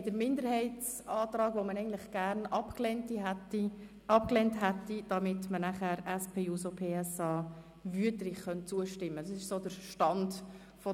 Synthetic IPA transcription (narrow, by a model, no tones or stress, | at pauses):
d̥əɾmɪndəɾhɛɪtt͡s | ɑːt̪ɾɑːɡʋomənɛɪɡəntlɪχɡ̥æɾnɑpklɛntiɦɛti | ɑpklɛntɦɛtːid̥ɑmɪtmənæχæːɾɛspʰeːuːsopʰeːɛsɑː | vyətlɪχχœntt͡suəʃtɪmːədɑsɪʃsoːd̥əɾʃtɑnd | fɔ